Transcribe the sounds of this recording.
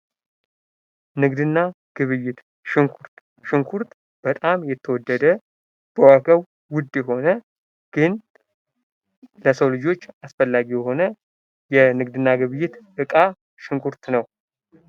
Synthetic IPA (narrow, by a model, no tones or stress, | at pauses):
nɨɡd̪ɨnːa | ɡ̥ɨβɨjɪt̪ | ʃɨŋkʷʰuɾt̪ | ʃɪŋkʰuɾt̪ | b̥ət̪ʼamjɛt̪ʰːəwɔd̪ːəd̪ə | b̥əwaɡəβː | ʊd̪ːjɛɦo̞nə | ɡ̥ɨn | ləsəwlɨd͡ʒo̞t͡ʃːasfəlːaɡijɛho̞nə | jɛnɨɡ̚d̪ɨnːaɡɨβɨjːɪt̪ʔɨkʼa | ʃɪŋkʰuɾt̪nəw